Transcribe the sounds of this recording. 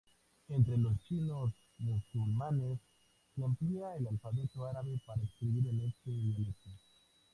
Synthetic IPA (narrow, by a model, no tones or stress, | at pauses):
e̞nt̪ɾe̞lost͡ʃino̞s | musulmane̞s | rumpliaelalfaβe̞t̪o̞aɾaβe̞paɾaekskɾiβiɾene̞st̪enoniso